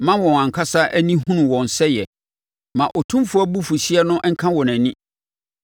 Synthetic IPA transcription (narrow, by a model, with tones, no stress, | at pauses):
mã˦wɔ̃˨ã˨ŋ̩˨kʰa˦sa˦ʔæ˦nĩ˦ɦũ˦nũ˨wɔ̃˨n̩˨sɛ˦jɛ˨ | mã˨ʔɔ˨tʰũ˦mfʊ˦æ˦bu˦fu˨ɕi˦ɛ˦nʊ̃˦ʔŋ̩˦kʰã˦wɔ˨næ̃˨nĩ˦